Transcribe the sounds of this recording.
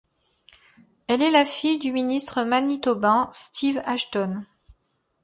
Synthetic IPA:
ɛlɛlafijd̪yminist̪χəmanit̪obɛ̃st̪ʰivaʃt̪ɔn

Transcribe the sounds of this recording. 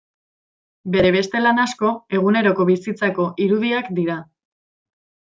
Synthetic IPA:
be̞ɾe̞β̞e̞st̪e̞lanasko̞e̞ɣ̞une̞ɾo̞ko̞βisit͡sako̞ʔiɾuðiakd̪iɾa

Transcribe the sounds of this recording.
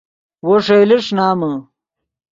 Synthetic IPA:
woʂejleʂnaːmɐ

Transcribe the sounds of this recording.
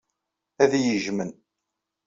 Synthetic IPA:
æðjəʒmən

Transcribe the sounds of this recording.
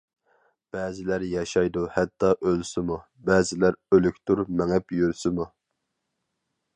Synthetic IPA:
b̥ɛːzɪlæɾjɑʃɑjd̪uhɛt̪ːɑʔølsɪmu | bɛːzɪlæɾølykʲt̪uɾmɛŋɛpjøɾsɪmu

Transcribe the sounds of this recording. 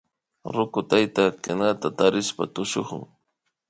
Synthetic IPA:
ɾʊkʊt̪ajt̪akɪnat̪at̪aɾɪspa̰t̪ʊʃoχʊ̰ŋ

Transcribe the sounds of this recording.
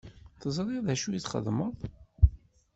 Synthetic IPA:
θəzˤɾˤiðæʃujit͡sːχə̰ðməðˤ

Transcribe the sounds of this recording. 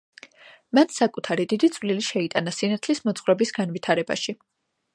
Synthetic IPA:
mant̪sakʼut̪ʰaɾid̪id̪it̪sʰʼvliliʃɛit̪ʼanasinat̪ʰlismɔt̪sʰχwɾɛbisɡanvit̪ʰaɾɛba̰ʃi

